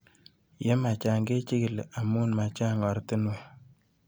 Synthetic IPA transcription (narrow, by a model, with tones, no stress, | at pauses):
je˦ma˨t͡ʃa˨ŋɡe˦t͡ʃi˦kɪ˨la˨mu˦nma˨t͡ʃa˦ŋɔ˨ɾtɪ˦no˦˨